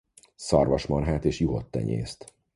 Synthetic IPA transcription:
sɒrvɒʃmɒnɦaːt̪eːʃjuɦo̞t̪ːɛ̰ɲḛːst̪

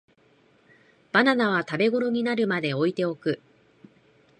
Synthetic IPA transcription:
b̥ananaβ̞at̪abe̞ɡo̞ɾo̞ɲ̟inaɾɯ̟mad̪e̞o̞it̪e̞o̞kɯ̟

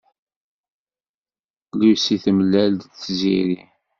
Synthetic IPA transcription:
liwsiθəməlːæld̪θziɾi

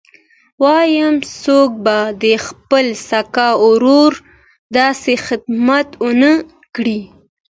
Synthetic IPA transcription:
wɑjəmsok̚bad̪əxpəlsakɑʊɾoɾ | d̪ɑsexɪd̪mat̪ənə | kɽi

